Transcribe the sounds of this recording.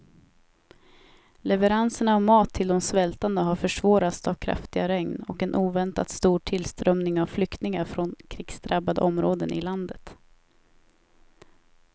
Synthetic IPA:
lɛvəɾansəɳaːvmɑːt̪ʰːɪld̪ɔmsvɛlt̪and̪əɦaɾfœʂvɑːɾat̪savkʰɾa̰ft̪ɪɡaɾɛŋnɔkɛnʔuːvɛnt̪a̰t̪st̪uːʈʰɪlst̪ɾœmnɪŋavflʏkt̪nɪŋaɾfɾɔnkʰɾiksd̪ɾabːad̪ə̰ʔɔmɾoːd̪ənʔɪ̰land̪ət̪

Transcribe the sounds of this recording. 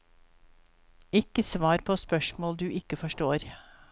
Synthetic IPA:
ɪkəsʋɑːɾpʰoːspœʃmoːld̪ʉːʔɪkəfɔʃʈoːɾ

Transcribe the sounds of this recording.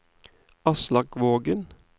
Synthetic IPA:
ʔɑslɑkʋoːɡən

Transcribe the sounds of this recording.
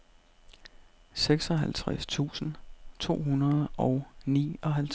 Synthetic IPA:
seɡ̥sɒ̽ɦælt͡sʰʁast͡sʰṵːsn̩t͡sʰo̝̰ːɦunɐð̩ˠɒ̽ʊnḭːɒ̽ɦælt͡sʰ

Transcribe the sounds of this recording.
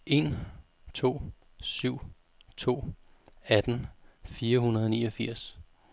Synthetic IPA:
ʔe̝n | t͡sʰo̝̰ː | syʊ̰ | t͡sʰo̝̰ːæd̥n̩fiːɐɦunɐðˠɒnḭːʌfiɐ̰s

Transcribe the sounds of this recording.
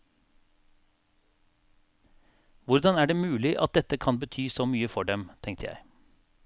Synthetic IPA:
ʋʊɾd̪ɑnæːɖeːmʉːlɪʔɑt̪̚d̪ɛt̪əkʰɑnbət̪ʰyːsoːmyːəfɔɖɛmt̪ʰɛŋt̪ʰəjæ̰ɪ

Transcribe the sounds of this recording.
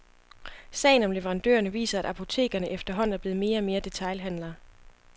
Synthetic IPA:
sɛ̰ːɪn̩ɒ̽mleʋeʁɑ̈nd̥ø̰ːɐnəʋḭːsɐæɾ̥ɑ̈pʰo̝t͡sʰe̝̰ːɡ̥ɐnəʔefd̥ɐɦɒ̽n̰n̩æɐb̥e̝ːð̩ˠme̝ːɐɒ̽me̝ːɐd̥e̝t͡sʰɑ̈ɪlɦænlɐ

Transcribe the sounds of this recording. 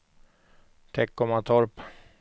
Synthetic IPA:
t̪ʰɛkːɔmat̪ʰɔɾp

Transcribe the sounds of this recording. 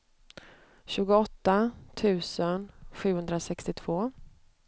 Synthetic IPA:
ɕʉ̟ːɡʊɔt̪ːat̪ʰʉ̟ːsənɧʉ̟ːhɵnd̪ɾasɛkst̪ɪt̪ʰv̥oː

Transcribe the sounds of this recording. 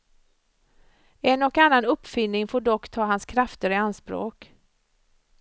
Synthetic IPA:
ɛnɔkanːanɵpːfʏnːɪŋfoːɖɔkːt̪ʰɑːɦanskʰɾaft̪əɾɪanspɾo̰ːk

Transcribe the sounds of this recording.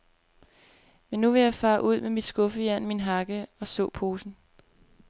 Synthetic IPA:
menːuʋe̝jɑ̈ɪfɑ̈ːʔuð̞̰ˠmemid̥sɡ̥ɔ̽fəjæn̰minɦɑ̈ɡ̥əɒ̽sɔ̰̽ːpʰo̝ːsn̩

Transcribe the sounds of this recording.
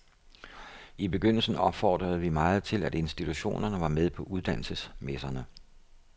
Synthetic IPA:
ib̥e̝ɡ̥øn̰l̩sn̩ɒ̽b̥fɒ̰ːd̥ʁɐð̞̩ˠʋimɑ̈ːð̞̩ˠt͡sʰe̝læde̝nsd̥it͡sʰuɕo̝̰ːnɐnəʋɑ̈með̞ˠpʰɒ̽ʔuð̞ˠd̥æn̰l̩səsmesɐnə

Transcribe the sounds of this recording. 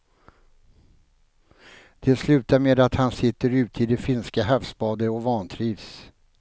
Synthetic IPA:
d̪̥ɛslʉ̟ːt̪aɾmeːd̪at̪hansɪt̪ːəɾʉ̟ːt̪əɪd̪ɛfɪnskaɦafspɑːd̪əɔvɑːnt̪ʰɾiːvs

